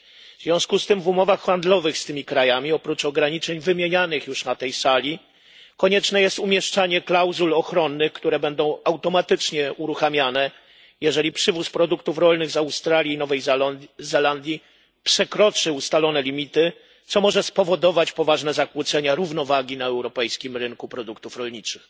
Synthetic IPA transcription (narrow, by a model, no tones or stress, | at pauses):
vz̥vʲjɔ̃w̃skust̪ɘmvumɔvaxːand̪lɔvɘxst̪ɘmʲikɾajamʲiɔpɾut͡ʂɔɡɾaɲit͡ʂɛɲvɘmʲjeɲanɘxjuʂnat̪ɛjsalʲi | kɔɲɛt͡ʂnɛjɛst̪umʲjɛʂt͡ʂaɲɛklawzulɔxɾɔnːɘxkt̪uɾɛbɛnd̪ɔ̃w̃awt̪ɔmat̪ɘt͡ʂɲɛuɾuxamʲjanɛ | jɛʐɛlʲipʂɘvuspɾɔd̪ukt̪ufɾɔlnɘɣzawst̪ɾalʲjinɔvɛjzɛland̪ʲji | pʂɛkɾɔt͡ʂɘust̪alɔnɛlʲimʲit̪ɘ | t̪sɔmɔʐɛspɔvɔd̪ɔvat͡ɕpɔvaʐnɛzakwut̪sɛɲaɾuvnɔvaɡʲinaɛwɾɔpɛjskʲimɾɘŋkupɾɔd̪ukt̪ufɾɔlɲit͡ʂɘx